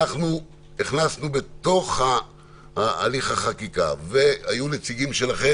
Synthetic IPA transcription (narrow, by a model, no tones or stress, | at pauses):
aχnu | niχnasnube̞t̪o̞χhaː | liχhaχakika̰ve̞hajune̞t͡siɡimʃelaχe